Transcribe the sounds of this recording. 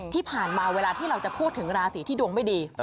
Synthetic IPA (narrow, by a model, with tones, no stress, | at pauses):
t̪ʰiː˥˩pʰaː˨˩nmaː˧weː˧laː˧t̪ʰiː˥˩ɾa˧wt͡ɕa˨˩pʰuː˥˩t̪ʰːɯ˩˦ŋɾaː˧siː˨˩˦t̪ʰiː˥˩du˧əŋma˥˩jdiː˧